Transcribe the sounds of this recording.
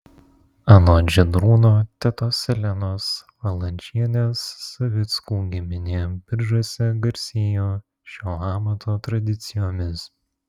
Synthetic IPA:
ɐnoːd͡ʒʲɛd̪ɾuːnoːt̪ʲɛt̪oːsʲɛlʲɛnoːsʋɐlˠɐnʲt͡ʃʲiɛnʲeːsːɐʋʲɪt̪skuːɡʲɪmʲɪnʲɪbʲɪɾʒusʲɛɡɐɾʲsʲeːjoː | ʃʲoːɑːmɐt̪ʰoːt̪ɾɐd̪ʲɪt̪sʲɪjoːmʲɪs

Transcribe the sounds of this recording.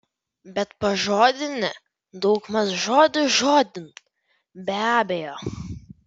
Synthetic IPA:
bʲɛt̪pɐʒoːd̪ʲɪnʲɪ | d̪ɔʊkmɐsʒoːd̪ʲʊʒoːd̪ʲɪn | bʲæːbʲɛjoː

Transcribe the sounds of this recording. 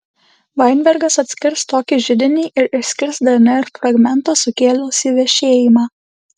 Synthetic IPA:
ʋɐɪnʲbʲɛɾɡɐsɐt̪ʲsʲkʲɪɾst̪oːkʲiʒʲɪd̪ʲɪnʲiːʔɪɾɪʃsʲkʲɪɾsd̪ɐnʲɐɪɾfɾɐɡmʲɛnt̪oːsʊkʲeːlʲʊsʲiʋʲɛʃʲeːjɪmɑː

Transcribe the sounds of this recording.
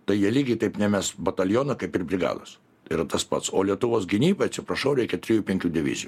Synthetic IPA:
t̪ɐɪjiɛlʲiːɡʲɪt̪ɐɪpnʲɛmʲɛsbɐt̪ɐlʲjoːnɐkɐɪpɪrbʲɾʲɪɡɑ̰ːd̪o̰ːs | ɪɾɐt̪ɐspɐ̰t̪soːlʲiɛt̪ʊʋoːsɡʲɪnʲiːbɐɐt̪sʲɪpɾɐʃɐʊɾʲɛɪkʲɛt̪ʲɾʲɪjuːpʲɛŋʲkʲuːdʲɪʋʲɪ̰zʲɪju

